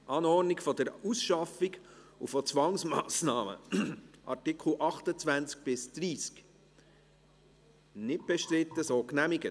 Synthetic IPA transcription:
ʔɑːnɔrnikfɔd̪əɾusʃɑfiɡ | ṵfɔt͡sʋɑŋsmɑ̰ːsnɑːmə̰ʔɑ̰rtɪkʰl̩ʔɑχt̪ət͡svænt͡sk̚b̥ɪsd̪̥ɾiːsk | nɪt̚b̥ɛʃtɾɪt̪ːəsoːknæmɪɡə

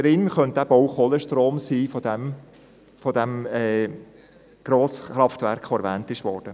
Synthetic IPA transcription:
ɾɪnχœnt̚d̥æb̥owχoləʃtɾoːmsiːfod̥ɛm | fodæmɛː | ɡ̥ɾoːsχɾɑftvæɾkχoæɾvæːntɪʃʋɔːɾd̥ə

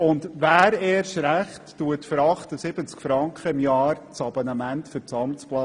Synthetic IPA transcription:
ʊndʋæːɾɛːɾʃɾæχtːuətfəɾɑχtəsɪbət͡skfɾɑŋkχəɪmjɑːɾt͡sɑb̥onɑmæntfʏɾt͡sɑmt͡splɑ

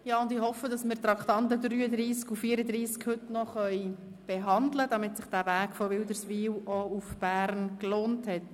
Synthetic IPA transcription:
jɑːʊndɪhɔfəd̥ɑsmɪːɾt̪ɾɑkχt̪ɑntədɾyːəd̪ɾiːskufiːəɾəd̪ɾiːskhʏtnɔχœʏ | b̥eɦɑndləd̥ɑmɪtsɪχd̥ævæːkfɔʋɪld̪əɾsʋiːwɔufb̥æːɾnkloːnthɛt

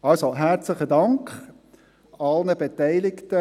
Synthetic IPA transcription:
ɑlsoɦæɾt͡sləχədɑŋkχ | ɑlnəbetæɪlɪktə

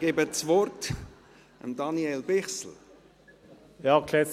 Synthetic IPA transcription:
ɡ̥eːbət͡sʋɔrt | ə̰md̪ɑniɛlbɪχsl̩ | jɑːkʰlɛ

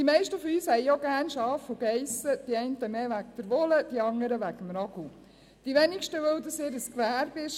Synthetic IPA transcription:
d̥imɛɪʃtəfɔyːshɛjɔɡæːɾnʃɑːfuɡɛɪsəd̥̪iɛɪntəmeːʋæk̚d̪̥əɾʋɔləd̪̥iɑŋːəɾəʋæɡəmɾɑɡ̥u | d̥iʋɛnɪkʃtəʋœwd̪əsɪɾəskʋæːɾbɪʃ

